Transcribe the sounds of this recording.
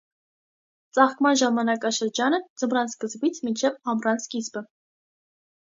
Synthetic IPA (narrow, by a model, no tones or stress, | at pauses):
t͡sʼɑχkmɑnʒɑmɑnɑkɑʃəɾd͡ʒɑnəd͡zəmɾɑnskəzbit͡sʰmint͡ʃʰɛvɑmrɑnskisbə